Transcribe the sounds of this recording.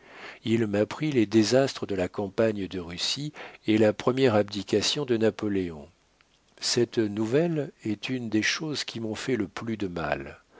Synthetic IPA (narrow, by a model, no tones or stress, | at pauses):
ilmapχiled̪ezast̪χəd̪əlakɑ̃paɲd̪əʁysielapχəmjɛʁabd̪ikʲasjɔ̃d̪ənapɔleɔ̃ | sɛt̪nuvɛlɛt̪ynd̪eʃozkʲimɔ̃fɛləplyd̪əma̰l